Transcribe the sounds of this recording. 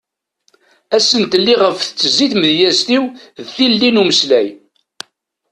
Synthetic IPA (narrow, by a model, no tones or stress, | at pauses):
æsənt̪əlːiʁəfθə̥t͡sːəzːiθməðjæst̪iwðθilːinuməslæj